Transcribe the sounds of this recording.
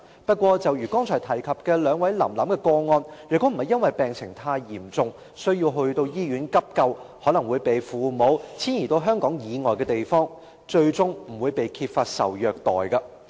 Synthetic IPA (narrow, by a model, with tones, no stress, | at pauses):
pɐ˥t̚kʷɔː˧t͡sɐ˨wjyː˨˩kɔː˥ŋt͡ʃʰɔː˨˩jt̪ʰɐ˨˩jkʰɐ˨p̚kɛː˧lœː˨˧ŋwɐ˨˥jlɐ̰˨˩mlɐ̰˨˥mkɛː˧kɔː˧ŋɔː˧njyː˨t̪o˥m̩˨˩hɐ˨jɐ˥nwɐ˨jpɛː˨ŋsʰɪ˨˩ŋt̪ʰaː˧jːiː˨˩mt͡sʊ˧ŋ | sɵ˥ɥjiː˧wɦɵ˧ɥt̪o˧wjiː˥jyː˨˥nkɐ˥p̚kɐ˧whɔː˨˥lɐ˨˩ŋwuː˨˧jpe˨jfuː˨˧mo˨˥wt͡sʰiː˥njiː˨˩t̪o˧wɦœː˥ŋkɔː˨˥ŋjiː˨˧ŋɔː˨jkɛː˧t̪e˨jfɔː˥ŋ | t͡ʃɵ˧ɥt͡sʊ˥ŋm̩˨˩wuː˨˧jpe˨jkʰiː˧p̚faː˧t̚sɐ̰˨˩wjœː˨k̚t̪ɔ̰ː˨jkɐ˧